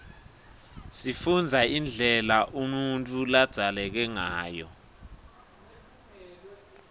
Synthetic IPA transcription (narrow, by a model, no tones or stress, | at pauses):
sifund͡zʱaind͡ɮʱɛlaʔumuntʼulad̥z̥ʱalɛk̬ɛŋaːjɔ